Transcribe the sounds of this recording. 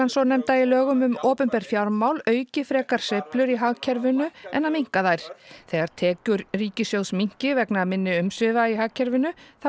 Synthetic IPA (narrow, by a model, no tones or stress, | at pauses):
ansɔnɛmt̪ailœːɣʏmʏmoːpʏmpɛɾ̥fjawɾmawlœːɥcɪfɾɛːkaɾ̥sejplʏɾiɦaːɣcʰɛɾvɪnʏɛ̰nːamiŋ̥kaðajɾ̥θeːɣaɾ̥t̪ʰɛːcʏɾriːcɪsjowsmiɲ̥cɪvɛknaamɪnːɪʏmsvɪvaiɦaːɣcʰɛɾvɪnʏθa